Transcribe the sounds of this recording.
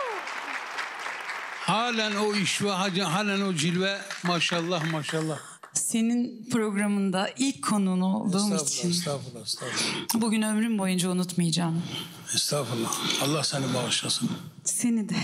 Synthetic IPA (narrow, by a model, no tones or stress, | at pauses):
haːlʲænoiʃvaɦad͡ʒɦaːlʲænod͡ʒilʲvɛmaʃalˠːɑhmaʃalˠːɑh | se̞ninpʰɾo̞ɡɾamɯnd̪aʔilʲckʰːo̞nunudd̪uɾmt̪insst̪ːbuɟynø̞mɾymbo̞jund͡ʒaunut̪mɯjad͡ʒaːm | ist̪aːfɯlːaɑlˠːahsɛnibaːʃlˠasɯn | se̞nid̪ɛ